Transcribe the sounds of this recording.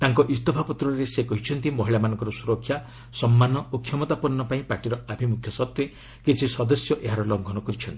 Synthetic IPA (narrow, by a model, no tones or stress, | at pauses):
t̪aŋkɔʔist̪ɔpʰapɔt̪ɾɔɾesekɔɦit͡ʃʰɔnt̪imɔɦiɭamanɔŋkɔɾɔsuɾɔkʰːja | sɔmːanɔukʰjɔmɔt̪apɔɾnːɔpaĩpaʈiɾɔabʱimukʰjɔsɔt̪we | kit͡ʃʰisɔd̪ɔsjɔʔeɦaɾɔlɔŋɡʱɔnɔkɔɾit͡ʃʰɔnt̪i̥